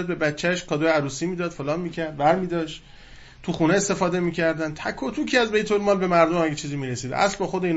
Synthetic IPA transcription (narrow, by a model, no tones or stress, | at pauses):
æd̪̚be̞bæt͡ʃʰːæʃkʰɒːd̪ojeæɾuːsiːmiːd̪ɒːd̪̥folɒːnmiːcʰæɾd̪̚bæɾmiːd̪ɒːʃt̪ | t̪ʰuxuneːst̪e̞fɒːd̪e̞miːcʰæɾd̪ænt̪ʰækʰːot̪ʰukʰiːæzbe̞jt̪ʰolmɒːlbe̞mæɾd̪omæɡet͡ʃʰiːziːmiɾesiːd̪̰ʔæ̰slbɒxod̪eiːn